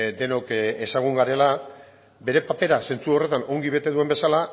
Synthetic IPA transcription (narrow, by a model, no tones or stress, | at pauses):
d̪e̞no̞ke̞saɣ̞uŋɡaɾe̞la | be̞ɾe̞pape̞ɾase̞nt͡suo̞re̞t̪ano̞ŋɡiβ̞e̞t̪e̞ðue̞mbe̞sala